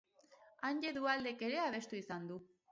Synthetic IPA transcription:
anɟe̞ðuald̪e̞ke̞ɾe̞aβ̞e̞st̪uisand̪u

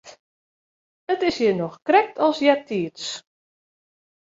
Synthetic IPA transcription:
ətɪsjənɔxkrɛk̚tʰɔlˠsjatʰiəts

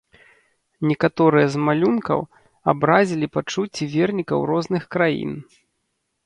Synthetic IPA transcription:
nʲɛkat̪ɔɾɨjɐzmalʲunkɐ̰w | a̰bɾazʲilʲipat͡ʂut͡sʲːivʲɛrnʲikɐ̰wɾɔznɨxkɾajḭn

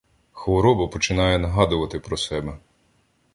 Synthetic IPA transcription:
xʋɔɾɔbɐpɔt͡ʃɪnɑjɛnɐɦɑd̪ʊʋɐt̪ɪpɾɔsɛbɛ

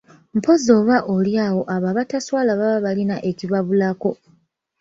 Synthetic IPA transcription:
m̩po̞zo̞ːβaʔo̞ljaːwo̞ʔaβaβataswaːlaβaβaβalinaʔe̞ciβaβulako̞

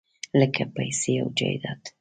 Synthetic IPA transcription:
lɛkːɛpːɐjsijɐwd͡ʒɛ̰jd̪ɐt̪

